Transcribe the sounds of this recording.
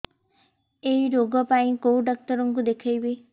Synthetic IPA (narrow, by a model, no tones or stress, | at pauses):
ejɾoɡɔpaĩkowɖak̚tɔɾɔŋk̬ud̪ekʰajbi